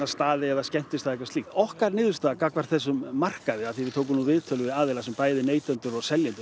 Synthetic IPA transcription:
ast̪aːðɪɛðascɛm̥t̪ɪst̪ʰaðɛkvaɾst̪iht̪ɔhkaɾnɪːðʏst̪aːðakakvaɾ̥θɛs̬ːʏmːar̥kaðɪaðθivɪt̪ʰowk̬ʏmnuvɪðt̪ʰœlʏvɪaːðɛlasɛmpaːjðɪneːjt̪œnt̪ʏɾɔɣsɛljɛnt̪ʏ̥

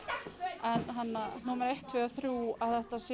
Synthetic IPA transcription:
ɛnɦanːan̥uːmaɾejht̪ʰvɛːaθɾuːaðθɛht̪as

